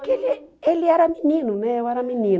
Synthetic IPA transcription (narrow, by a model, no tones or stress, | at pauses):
kelɛliaɾamininumɛwaɾaminin